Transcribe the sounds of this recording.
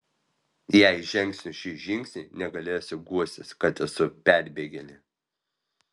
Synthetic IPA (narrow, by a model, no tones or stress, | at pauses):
jæɪʒʲɛŋʲksʲnʲʊʃʲiːʒʲɪŋʲksʲnʲinʲɛɡɐlʲeːjoːsʲɪɡuɔsʲt̪ʲɪskɐt̪ɛsʊpʲæˑɾʲbʲeːɡʲɛlʲɪ